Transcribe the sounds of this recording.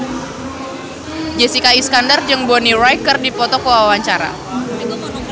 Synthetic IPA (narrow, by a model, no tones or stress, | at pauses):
d͡ʒesikaisə̥kandard͡ʒɨŋbonirajkərdipɔt̪ɔkəwawaɲt͡ʃaɾa̰